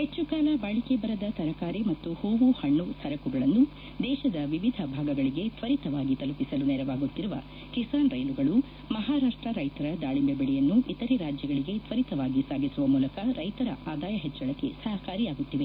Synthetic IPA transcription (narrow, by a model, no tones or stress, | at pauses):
het͡ʃːukaːlɐbaːɭikebɐɾɐd̪ɐt̪ɐɾɐkaːɾimɐt̪ːuhoːʋuhɐɳːust̪ʰɐɾɐkuɡɐɭɐnːu | d̪ɛːʃɐd̪ɐʋiʋid̪ʱɐbʱaːɡɐɡɐɭiɡe̞t̪ʋɐɾit̪ɐʋaːɡit̪ɐlupisɐlunɛːɾɐʋaːɡut̪ːiɾuʋɐ̰ | kisaːnɾɐjluɡɐɭu | mɐɦaːɾaːʂʈɾɐɾɐjt̪ɐɾɐd̪aːɭimbebɐɭɛjɐnːuʔit̪ɐɾeɾaːd͡ʒjɐɡɐɭiɡe̞t̪ʋɐɾit̪ɐʋaːɡisaːɡisuʋɐmuːlɐkɐɾɐjt̪ɐɾɐ̰ʔaːd̪aːjɐɦet͡ʃːɐɭɐkːe̞̰sɐɦɐkaːɾijaːɡut̪ːiʋe̞